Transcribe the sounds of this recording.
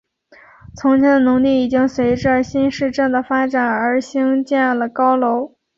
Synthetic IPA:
t͡sʰʊ˧˥ŋt͡ɕʰjɛ˥nd̪ə˨nʊ˧˥ŋli˥˩i˨˩t͡ɕi˥ŋswe˧˥ɪʈ͡ʂɻ̩˥˩ə˧˥˩ɕi˥nʂɻ̩˥˧ʈ͡ʂə˥˩ŋd̪ə˩fa˥ʈ͡ʂa˨˩nə˞˧˥ɕi˥ŋt͡ɕjɛ˥˩nlə˩kɑ˥ʊlo˧˥ʊ

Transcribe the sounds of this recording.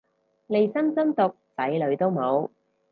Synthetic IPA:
le˨˧jsɐ˥msɐ˥mt̪ʊ˨k̚t͡sɐ˨˥jlɵ˨˧ɥt̪o˥wmo˨˧w

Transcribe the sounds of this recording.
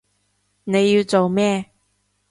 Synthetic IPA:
ne˨˧jːi˧wt͡so˨wmɛː˥

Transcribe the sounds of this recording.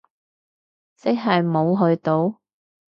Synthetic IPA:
t͡sɪ˥k̚ɦɐ˨jmo˨˧wɦɵ˧ɥt̪o˨˧w

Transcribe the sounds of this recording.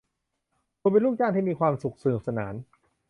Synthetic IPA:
kʰuː˧pe˧nlu˥˩k̚jaː˥˩ŋt̪ʰiː˥˩miː˧kʰwaː˧msu˨˩k̚sa˧n̚˨˩sa˧na̰ː˩˦n

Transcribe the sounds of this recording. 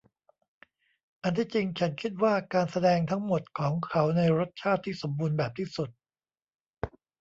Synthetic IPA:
ʔa˧nt̪ʰiː˥˩t͡ɕi˧ŋt͡ɕʰa˦˥nkʰi˦˥t̪̚waː˥˩kaː˧nsa˧dɛː˧ŋt̪ʰa˦˥ŋmo˨˩t̪̚kʰɔː˩˦ŋkʰa˦˥wna˧jɾo˦˥t̪̚t͡ɕʰaː˥˩t̪ʰːiː˥˩so˩˦mbuː˧nbɛː˨˩p̚t̪ʰiː˥˩su˨˩t̪̚

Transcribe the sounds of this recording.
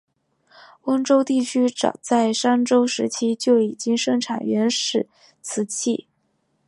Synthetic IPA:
wə˥ŋʈ͡ʂo˥ʊt̪i˥˩t͡ɕʰy˥ʈ͡ʂɑ̰˨˩ʊt͡sa˥˩ɪʂa˥nʈ͡ʂo˥ʊʂɻ̩˧˥t͡ɕʰi˥t͡ɕjo˥˩ʊi˨˩t͡ɕi˥ŋʂɤ˥˧ŋʈ͡ʂʰa̰˨˩nɥɛ˧˥nʂɻ̩˥˩ | t͡sʰɹ̩˧˥t͡ɕʰi˥˩

